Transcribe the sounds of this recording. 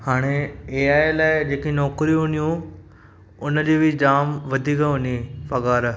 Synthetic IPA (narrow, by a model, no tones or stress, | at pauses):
haːɽ̃eeːaːelaːɪd͡ʑeːkinɔːkɾĩɦʊ̃nijũ | ʊnəd͡ʑeːbʱid͡ʑaːmʋɐd̪ʱiːkəɦʊ̃nifɐɠaːɾ